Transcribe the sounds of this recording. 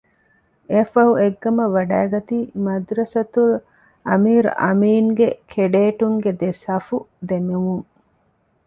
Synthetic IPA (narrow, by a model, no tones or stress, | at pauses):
eɐfɐɦuʔeɡːɐmɐʋɐɖæːɡɐt̪iːmɐd̪ɾɐsɐt̪ul | ʔɐmiːɾ̰ʔɐ̰miːŋɡekʰeɖeːʈuŋɡed̪esɐfud̪emeʋuŋ